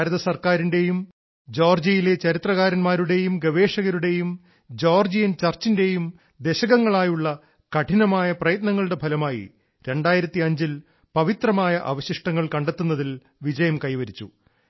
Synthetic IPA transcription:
ɾɐðɐsɐrkaːɾinde̞jum | d͡ʑoːrd͡ʑijile̞t͡ɕɐɾit̪rɐɣaːɾɐnmaːɾuɽe̞jumɡɐʋe̞ːʂɐɣɐɾuɽe̞jum | d͡ʑoːrd͡ʑijɐnt͡ɕɐrt͡ɕːinde̞jum | d̪e̞ɕɐɣɐŋːɐɭaːjuɭːɐ | kɐʈʰinɐmaːjɐprɐjɐt̪nɐŋːɐɭɽe̞bʰʱɐlɐmaːjḭ | ɾe̞ɳɖaːjiɾɐt̪ːiɐɲd͡ʑil | pɐʋit̪rɐmaːjɐʔɐ̰ʋɐɕiʂʈɐŋːɐɭkɐɳɖe̞t̪ːunːɐðil | ʋid͡ʑɐjɐmkɐjʋɐɾit͡ɕːu

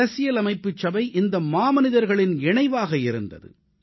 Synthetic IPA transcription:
ɐsɪjɐlɐmɐɪpːɯt͡ʃːɐbɐɪʔɪnd̪ɐmaːmɐnɪðɐɾɣɐɭɪnɛɳɐɪʋaːɣɐɪɾɯnd̪ɐ̰ðɯ̰

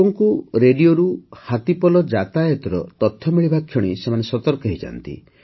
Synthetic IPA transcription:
ɔŋkuɾeɖioɾuhat̪ipɔlɔd͡ʒat̪ajɔt̪ɔɾɔt̪ɔt̪ʰːjɔmiɭibakʰːjɔɽ̃isemanesɔt̪ɔɾkɔɦid͡ʒa̰nt̪ḭ

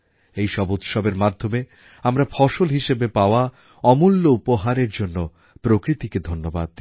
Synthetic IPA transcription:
ejʃɔbut̪ʃɔbeɾmad̪ʱːome | amɾafʰɔʃolɦiʃebepaoa | ɔmulːoupoɦaɾeɾd͡ʑonːo | pɾokɾit̪iked̪ʱonːoba̰d̪̚

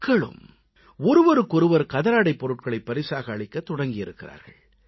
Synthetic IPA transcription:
kːɐɭɯ̰m | ɔɾɯʋɔɾɯkːɔɾɯʋɐɾkɐðɐɾaːɽɐɪpːɔɾɯʈ̚kɐɭɐɪpːɐɾɪsaːɣɐːɭɪkːɐt̪ːʊɽɐŋɡɪjɪɾɯkːɪra̰ːɾɣɐ̰ɭ

